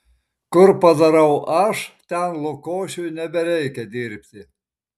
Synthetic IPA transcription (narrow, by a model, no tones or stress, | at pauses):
kʊɾpɐd̪ɐɾɐʊʔɐʃt̪ʲɛnlˠʊkoːʃʲʊjnʲɛbʲɛɾʲɛɪkʲɛd̪ʲɪɾʲpʲt̪ʲɪ